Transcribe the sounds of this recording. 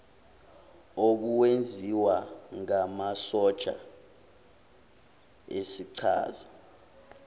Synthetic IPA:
ok̬uwend͡zʱiwaŋamasɔt͡ʃʼa̰ | esiǀʰa̰ːza

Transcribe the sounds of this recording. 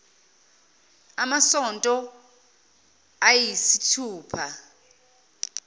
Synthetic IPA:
amasɔntʼɔ | ajisitʰuːpʰa

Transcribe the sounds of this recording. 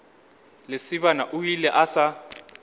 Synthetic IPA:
lesiβanaʔujilɛʔasa

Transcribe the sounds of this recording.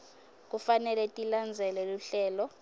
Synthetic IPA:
k̬ʼufanɛlɛtʼiland͡zʱɛlɛluɬɛːlɔ

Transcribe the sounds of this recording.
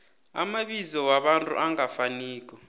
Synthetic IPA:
a̰maɓizɔwaɓantʼṵʔaŋafaniːk̬ʼɔ

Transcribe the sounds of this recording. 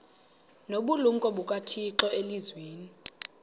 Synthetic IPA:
noɓuluŋkʼɔɓukʼatʰiǁɔelizweːni

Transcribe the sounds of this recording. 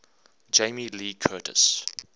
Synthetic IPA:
d͡ʒeɪmiliːkʰɜːtʰə̰s

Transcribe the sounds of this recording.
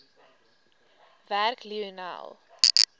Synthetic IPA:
værkliəna̰lˠ

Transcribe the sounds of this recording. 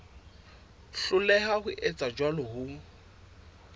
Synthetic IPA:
ɬʊlɛɦahʊʔɛt͡sʼad͡ʒwalʊhʊ

